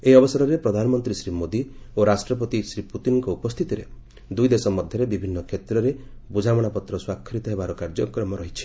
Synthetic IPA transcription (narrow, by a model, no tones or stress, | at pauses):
eɦiɔbɔsɔɾɔɾepɾɔd̪ʱanɔmɔnt̪ɾisɾimod̪ioɾasʈɾɔp̬ɔt̪isɾiput̪inɔŋkɔupɔst̪ʰit̪iɾe | d̪ujd̪esɔmɔd̪ʱjɔɾebibʱinːɔkʰet̪ɾɔɾe | bud͡ʒʱamɔɽ̃apɔt̪ɾɔswakʰːɾit̪ɔɦebaɾɔkaɾd͡ʒɔkɾɔmɔɾɔɦit͡ʃʰi̥